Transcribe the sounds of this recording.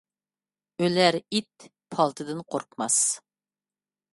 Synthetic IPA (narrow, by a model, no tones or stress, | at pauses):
ølæɾit̪ | pʰɑlˠt̪ʰɨd̪ɨnqʰoɾqmɑs